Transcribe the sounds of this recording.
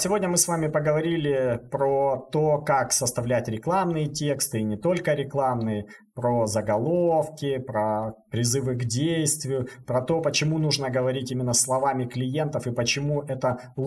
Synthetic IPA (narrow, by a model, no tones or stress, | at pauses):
sʲɪvo̞dʲnʲəmɨsvamʲɪpəɡəvɐɾʲilʲɪpɾot̪o̞kaksəst̪ɐvlʲætʲɾʲɪklˠamnɨjətʲe̞kst̪ɨinʲɪt̪o̞lʲkəɾʲɪklˠamnɨjɪ | pɾozəɡɐlˠofkʲɪpɾəpɾʲɪzɨvɨɡdʲejst̪vʲɪjʊpɾɐt̪o̞pət͡ɕɪmunuʐnəɡəvɐɾʲitʲimʲɪnːəslˠɐvamʲɪklʲɪje̞nt̪əfɨpət͡ɕɪmuʔɛt̪ə